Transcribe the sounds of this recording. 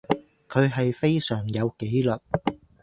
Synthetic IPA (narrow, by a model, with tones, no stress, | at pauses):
kʰɵ˨˧ɥɦɐ˨jfe˥jsœː˨˩ŋjɐ˨˧wke˨˥jlɐ˨t̚